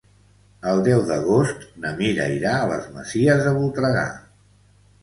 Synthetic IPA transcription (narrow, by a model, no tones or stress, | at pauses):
əlˠd̪ɛwðəɣost̪nəmiɾə̰iɾaələ̰zməziəzðəβulˠt̪ɾəɣa̰